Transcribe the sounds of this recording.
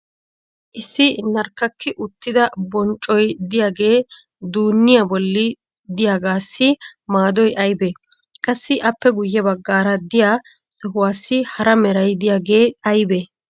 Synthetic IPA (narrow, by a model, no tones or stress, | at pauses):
ʔɪsːɪnɐɾkːɐkːɪʔʊt̪ːɪd̪ɐbɔnt͡ʃʼːɔjd̪ɪjaːɡe̞ː | d̪uːnːɪjabɔlːɪ | d̪ɪjaːɡaːsːɪmaːd̪ɔjʔɐjbe | kʼɐsːɪʔɐpːɛɡʊjːɛbɐɡːaːɾɐd̪ɪjaː | t͡sʼɪɦʊwaːsːɪhɐɾɐmɛɾɐjd̪ɪjaːɡe̞ːɐjbe